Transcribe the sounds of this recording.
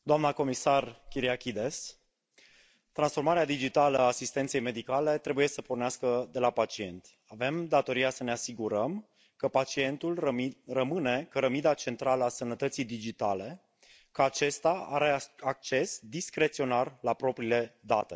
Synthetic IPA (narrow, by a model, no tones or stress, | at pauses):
d̪oamnəko̞misarkʲiɾiakʲid̪e̞s | t̪ɾansfo̞rmaɾead̪id͡ʒit̪aləaːsist̪ent̪se̞jme̞d̪ikale̞t̪ɾe̞buje̞səporneaskəd̪e̞lapat͡ʃie̞̰nt̪ʲ | ave̞md̪at̪o̞ɾijasəneasiɡuɾəm | kəpat͡ʃie̞nt̪ulrəmɨne̞kəɾəmid̪at͡ʃe̞nt̪ɾaləasənət̪ət̪sijd̪id͡ʒit̪ale̞ | kəat͡ʃe̞st̪aa̰ɾe̞ak̚t͡ʃe̞sd̪iskɾe̞t̪sio̞narlapɾo̞pɾile̞d̪a̰t̪e̞